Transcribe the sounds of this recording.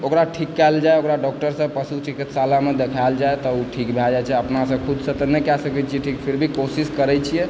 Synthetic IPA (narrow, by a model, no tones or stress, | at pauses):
okɾaʈʰikːald͡ʒaeokɾaɖɔk̚ʈəɾsə̃pəsut͡ʃikit̪salamed̪ekʰaeld͡ʒaet̪ɔuʈʰikbʱɛd͡ʒat͡ʃʰɛəpnasə̃kʰud̪sə̃t̪ɔnɛkɛsəkɛt͡ʃʰiɛʈʰikpʰiɾbʱikosiskəɾɛt͡ʃʰijɛ